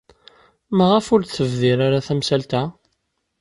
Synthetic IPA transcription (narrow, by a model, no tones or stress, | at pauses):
məʁəfʊɾθəvðiɾaɾaθæmsælt̪æ